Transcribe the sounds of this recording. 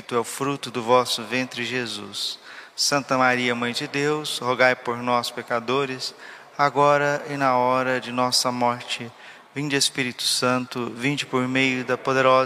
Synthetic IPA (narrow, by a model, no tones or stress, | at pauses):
t̪ʊɛʊfɾut̪ʊd̪ʊvɔsʊvẽnt̪ɾɪʒezṵsːɐ̃nt̪ɐmaɾiɐmɐ̃j̃d͡ʒɪd̪ewshoɡajpoɾnɔspekad̪oɾɪs | aɡɔɾɐɪnɐɔɾɐd͡ʒɪnɔsɐmɔɾt͡ʃɪ | vĩd͡ʒespiɾit̪ʊ̥sɐ̃nt̪ʊvĩd͡ʒɪpoɾmejʊd̪ɐpod̪eɾɔ